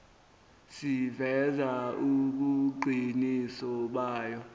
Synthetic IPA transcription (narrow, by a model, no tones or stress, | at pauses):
sivɛzauk̬uǃʱinisɔɓaːjɔ